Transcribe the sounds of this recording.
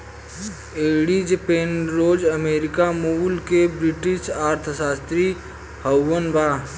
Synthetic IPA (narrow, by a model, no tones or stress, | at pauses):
eːɽid͡ʒəpeːnɾoːd͡ʒəmeːɾɪkamuːlkebɾɪʈɪʃaːɾt̪ʰəsaːst̪ɾi | həwːənbaː